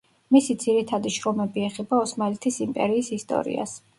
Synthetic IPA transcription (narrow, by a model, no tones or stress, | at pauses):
misid̪z̥iɾit̪ʰad̪iʃɾɔmɛbiɛχɛbaɔsmalɛt̪ʰisimpʼɛɾiːsist̪ʼɔ̰ɾḭa̰s